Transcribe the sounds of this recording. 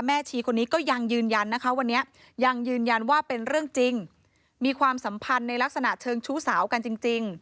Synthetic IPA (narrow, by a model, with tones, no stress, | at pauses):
mɛː˥˩t͡ɕʰiː˧kʰo˧nːiː˦˥kɔː˥˩ja˧ŋjɯː˧nja˧nːa˦˥kʰa˦˥wa˧nːi˦˥ɐ | ja˧ŋjɯː˧nja˧nwaː˥˩pe˧nɾɯ˥˩əŋt͡ɕi˧ŋ | miː˧kʰwaː˧msa˩˦mpʰa˧nːa˧jla˦˥k̚sa˧na˨˩ʔt͡ɕʰɤː˧ŋt͡ɕʰuː˦˥saː˩˦wka˧nt͡ɕi˧ŋt͡ɕi˧ŋ